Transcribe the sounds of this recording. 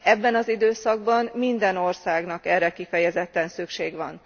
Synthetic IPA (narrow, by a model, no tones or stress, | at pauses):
ɛbːɛnɒzid̪øːsɒɡ̚bɒmmind̪ɛno̞rsaːɡnɒkɛrːɛkifɛjɛzɛt̪ːɛnsykʃeːɡʋɒ̰n